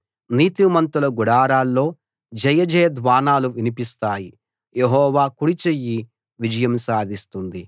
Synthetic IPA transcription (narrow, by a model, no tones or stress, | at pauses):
niːt̪imɐnt̪ulɐɡuɽaːɾaːlːo̞ː | d͡ʒɐjɐd͡ʒɐjɐd̪ʋaːnaːluʋinipist̪aːji | jeɦɔːʋaːkuɽit͡ʃejːi | ʋid͡ʒɐjɐmsaːd̪ʱist̪und̪i